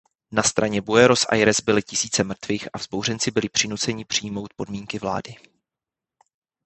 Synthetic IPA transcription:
nast̪ɾaɲɛbuɛɾo̞sʔa̰jɾɛzbɪlɪcɪsiːt͡sɛmr̩t̪viːxʔavz̥bo̞wrɛnt͡sɪbɪlɪpr̥ɪnut͡sɛɲɪpr̥ɪjmo̞wt̪̚po̞dmiːŋkɪvla̰ːdɪ

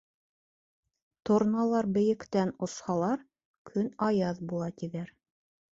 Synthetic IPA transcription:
t̪ŏɾnɑlˠɑɾbɘ̆jɘ̆kt̪ænŏshɑlˠɑɾ | kʰɵnɑjɑðbulˠɑt̪iðæɾ

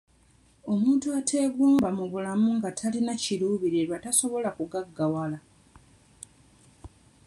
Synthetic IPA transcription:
o̞muːntuatʰe̞ːɡuːmbamuβulamuŋɡatʰalinaciɾuːβiɾieɾwataso̞βo̞lakuɡaɡːawala

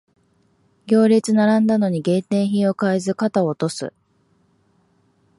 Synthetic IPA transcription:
ɡʲo̞ːɾʲit͡sɨnaɾãnd̪ano̞ɲ̟iɡẽ̞nt̪ẽ̞ɰ̃çĩo̞kaizɨkat̪aot̪o̞sɨ̰

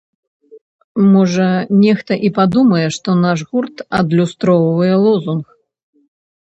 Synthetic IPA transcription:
mɔʐɐnʲɛxt̪ɐʔipad̪umɐjɛʂt̪ɔnaʂɣurt̪ɐd̪lʲust̪ɾɔwvɨjɛlˠɔzunx

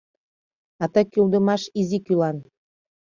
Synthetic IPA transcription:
ɑt̪ɤkyld̪ə̆mɑʃizikylɑn

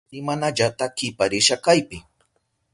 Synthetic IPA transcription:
ɪmanaʎat̪akɪpaɾɪʃakajpɪ

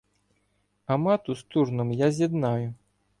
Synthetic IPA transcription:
amat̪ust̪uʐnɨmjazʲjad̪naju

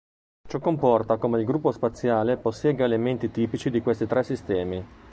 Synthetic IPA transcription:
t͡ʃɔkːompɔrt̪akomeilɡɾupːospat̪sːjaːleposːjɛːɡaelement̪it̪iːpit͡ʃid̪ikwest̪it̪ɾɛsːist̪ɛːmi

